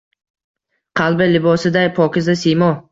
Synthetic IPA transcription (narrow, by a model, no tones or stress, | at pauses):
qʰɑlˠbɪlɪbɒsɪd̪ajpʰɒkʲɪzasijmɒ